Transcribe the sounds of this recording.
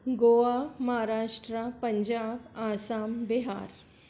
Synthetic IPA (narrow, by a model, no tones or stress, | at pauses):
ɡoʋamɐɦaɾaːʂʈɾapəɲd͡ʑaːbaːsaːmbiɦa̰ːɾ